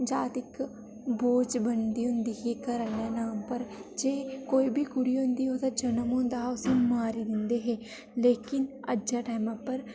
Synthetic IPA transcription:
d͡ʒaːt̪ɪk | boːd͡ʒbənd̪iːɦõnd̪iɦekəɾənanaːmpəɾd͡ʒeːkoːibʱikʊɽiʊ̃nd̪iɦoːt̪ad͡ʒɐnəmõnd̪aːʊsemaːɾid̪ɪ̃nd̪eɦɛː | leːkɪnɐd͡ʒaʈaːmãpɐɾ

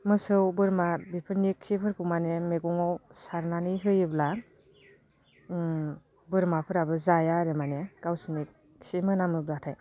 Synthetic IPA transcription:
mɯsɯwbɯɾmabipʰɯɾniksipʰɯɾkʰumanemeɡɔŋɔwsaɾnaniɦɯjɯbla | bɯɾmapʰɯɾabɯzajaɾemaneɡ̥awsinik̚ | simɯnamɯblatʰaj

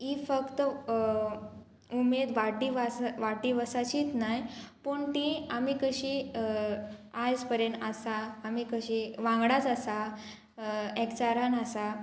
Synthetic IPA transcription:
ifəkt̪ə | umed̪ʋaʈːiʋasʋaʈːiʋəsat͡ɕiːt̪najpuːɳt̪iamikəɕi | ajd͡zpəɾjeɳasaːmikəɕiʋãŋɡɽat͡sasa | ɛkt͡ɕaɾanasa

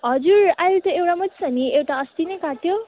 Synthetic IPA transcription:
ɦʌd͡zuɾajlt̪ʌewɽamʌtsʰʌniewʈaʌst̪inʌjkaʈjo

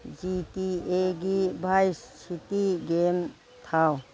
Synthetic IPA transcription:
d͡ʒitieɡibʱajssitiɡem | t̪ʰaw

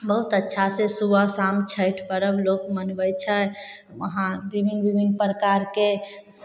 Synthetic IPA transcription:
bəɦut̪ətːʃʰasesubəsamt͡ʃʰəjʈʰpəɾəblokmənbəjt͡ʃʰə | ə̰ɦãd̪ɾibinɡbibʱinpɾəkaɾke

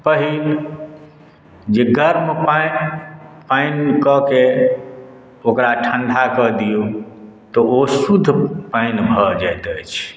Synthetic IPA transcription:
pəɦil | d͡ʒeɡəɾmpaj | pajnkəke | okɾaʈʰəɳɖʱakəd̪ijut̪ɔosud̪ʱːpainbʱəd͡ʒajt̪əjt͡ʃʰ

